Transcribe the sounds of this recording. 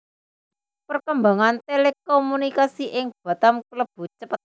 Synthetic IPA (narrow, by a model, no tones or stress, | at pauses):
pərkəmbaŋant̪elekomunikasiʔɪŋb̥a̤t̪amkləb̥ṳt͡ʃəpət̪̚